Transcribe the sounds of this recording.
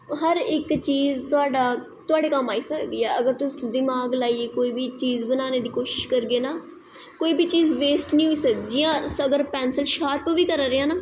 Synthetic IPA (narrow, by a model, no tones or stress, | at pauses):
ɦəɾɪkt͡ʃiːzt̪ʊaːɖaː | t̪ʊaːɖeːkəmaːiːsəkd̪iːɛːəɡəɾt̪ʊsd̪ɪmaːɡlaːieːkoːiːbiːt͡ʃiːzbənaːneːd̪iːkoːʃɪ̥ʃkəɾɡeːnaː | koːiːbʱiːt͡ʃiːzʋeːsʈnĩːɦoiːsəkd͡ʒɪjãːsəɡəɾpɛːnsəlʃaːɾpʋiːkəɾaːɾeãːnaː